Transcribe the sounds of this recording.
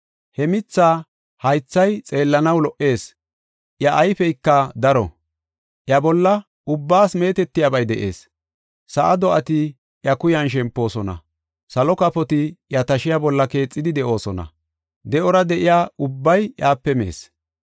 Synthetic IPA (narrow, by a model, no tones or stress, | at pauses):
hɛmɪt͡sːaː | hɐjt͡sːɐjt͡sʼe̞ːlːɐnɐwlɔʔe̞ːs | ʔjɐʔːjfɛjkːɐd̪ɐɾɔ̰ | ʔjɐbɔlːɐ | ʊbːaːsme̞ːt̪ɛt̪ːɪjabɐjd̪ɛʔe̞̰ːs | sɐʔɐd̪ɔʔɐt̪ɪ | ʔjɐkʊjɐnʃ̬ɛmpːo̞ːsɔnɐ̰ | sɐlɔkɐpɔt̪ɪjɐt̪ɐʃɪjabɔlːɐke̞ːt͡sʼːɪd̪ɪd̪ɛʔo̞ːsɔnɐ̰ | d̪ɛʔɔɾɐd̪ɛʔɪjaːʊbːɐjjaːpːɛmḛːs